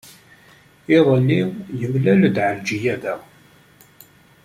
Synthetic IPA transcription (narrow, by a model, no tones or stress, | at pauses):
ɪðˤəlːijəvlæld̪ʕəld͡ʒijæðæ